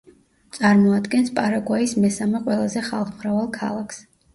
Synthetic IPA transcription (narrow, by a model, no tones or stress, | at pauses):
t̪sʼaɾmɔad̪ɡɛnspʼaɾaɡwaismɛsamɛqʼwɛlˠazɛχalˠχmɾavalˠkʰa̰lˠakʰs